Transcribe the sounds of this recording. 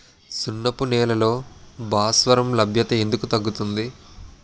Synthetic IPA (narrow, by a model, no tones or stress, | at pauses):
sunːɐpunɛːlɐlo̞ːbʱaːsʋɐɾɐmlɐbʱjɐt̪ɐe̞nd̪ukut̪ɐɡːut̪und̪i